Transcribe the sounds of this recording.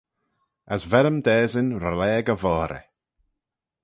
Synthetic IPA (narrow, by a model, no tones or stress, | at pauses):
əsvɛɾəmd̪ɛːzənɾalɛːɡəvɔːɾə̰